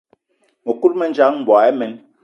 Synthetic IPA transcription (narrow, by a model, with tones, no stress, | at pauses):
mo˨ku˦lmɛ˨nd͡ʒa˨˦ŋm̩˨bɔ˨ɛ˦mɛ˨˦n